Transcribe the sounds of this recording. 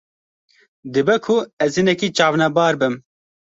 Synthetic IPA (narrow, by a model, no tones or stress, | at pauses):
d̪ɨbɛkʰʊɛzhɨnɛkiːt͡ʃɑːvnɛbɑːɾbɨm